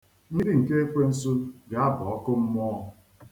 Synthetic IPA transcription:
ɲi˦di˦ŋ̩˨ke˦e˦kʷe˦n̩˦su˦ɡa˨a˦bʊ˨ɔ˦kʊ˦m̩˦mɔ˦˨

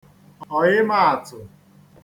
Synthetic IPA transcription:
ɔ˨ɲɪ˦ma˦˨a˨tʊ˨

